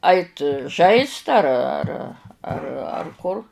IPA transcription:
ˈɐɪt ˈʒɐɪst ɐr ɐr ɐr ɐr ˈkʊr

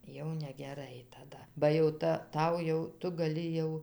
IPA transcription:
jɛʊ nʲɛɡʲɛˈrɐɪ tɐˈdɐ bɐ jɛʊ ˈtɐ ˈtɐʊ jɛʊ ˈtʊ ɡɐˈlʲɪ jɛʊ

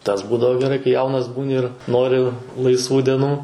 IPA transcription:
tɐs ˈbuːdɐʋoː ɡʲɛˈrɐɪ kɐɪ ˈjɛʊnɐs ˈbuːnʲɪ ɪr ˈnoːrʲɪ lˠɐɪsˈʋuː dʲɛˈnuː

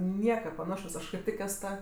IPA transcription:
ˈnʲiɛkɐ pɐˈnɑːʃoːs ˈɐʃ kɐɪp ˈtʲɪk ˈɛs ˈtɐ

